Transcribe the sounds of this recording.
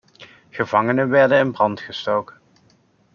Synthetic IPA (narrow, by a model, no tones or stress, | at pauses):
χəvɑŋənənʋɛɹdənɪnbrɑntχəstowkən